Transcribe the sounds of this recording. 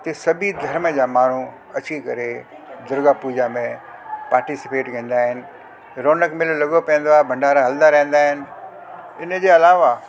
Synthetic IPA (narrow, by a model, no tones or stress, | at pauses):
t̪esɐbʱid̪ʱɐɾməd͡ʑaːmaːɳ̤u | ɐt͡ɕikɐɾe | d̪ʊɾɡapuːd͡ʑamẽpaːɾʈisɪ̥peːʈkɐ̃ːn̆d̪aːɦɪnɪ̆ | ɾoːnəkmɪllɐɠopɐ̃ːə̃nd̪oaːɦebʱɐ̃ɳɖaːɾaɦɐld̪aɾɐ̃ɦə̃n̆d̪aːɦɪnɪ̆ | ɪnə̆d͡ʑeːɐlaːʋa